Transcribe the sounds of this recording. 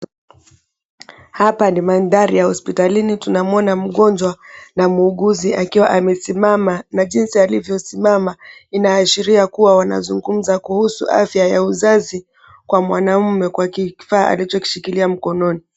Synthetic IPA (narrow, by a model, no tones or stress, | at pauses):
hapanimandaɾijahɔspitalinitunamuɔnam̩ɠɔnd͡ʒwanamuːɠuziʔakiwaʔamɛsimamanaʄinsialivjɔsimamainaːʃiɾiakuwawana̰zuŋɡum̩zakuhusṵʔa̰fjajauzazi | kwamwanam̩mɛkwakiki̥faːʔa̰lit͡ʃɔki̥ʃikiliam̩kɔnɔni